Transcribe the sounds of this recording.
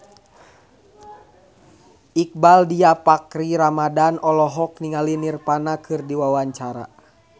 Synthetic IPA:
ʔik̚baldiapakɾiɾamadanɔlɔɦɔk̚niŋalinirpanakʰɨrdiwawaɲt͡ʃaɾa̰

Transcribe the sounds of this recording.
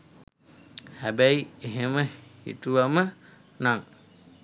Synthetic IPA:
hæbæjeɦeməhḭt̪uʋamə | naŋ

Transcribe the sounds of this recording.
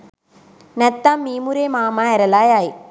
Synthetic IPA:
nɐt̪ːaːmːiːmuɾeːmaːmaːɛɾɐlaːjaːj

